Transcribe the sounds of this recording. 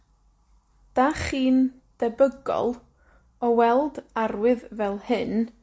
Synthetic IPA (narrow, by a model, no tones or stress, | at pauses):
d̥aχiːn | d̥ɛbəɡɔ̰lˠ | ɔwɛlˠdarwɨðvɛlˠhɨn